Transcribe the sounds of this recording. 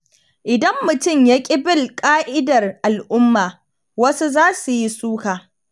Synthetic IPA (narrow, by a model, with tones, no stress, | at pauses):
ʔɪ˨dɐ˦mːʊ˨tʊ˦˨mja˦kʲʼɪ˦bɪ˦˨lkʼaː˦ʔɪ˦dɐ˨rʔa˨lʔʊ˦mːaː˨ | wɐ˦su˦zaː˦su˨ji˦suː˦kaː˨